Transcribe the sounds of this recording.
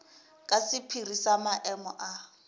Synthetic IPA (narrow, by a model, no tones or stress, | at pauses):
kʼasɪpʰirisamaʔɛmɔ̰ʔa